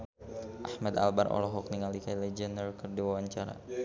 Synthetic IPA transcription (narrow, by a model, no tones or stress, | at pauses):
ʔahmad̪a̰lbarʔɔ̰lɔɦɔk̚niŋalikajlɛd͡ʒənərkərdiwawaɲt͡ʃaɾa̰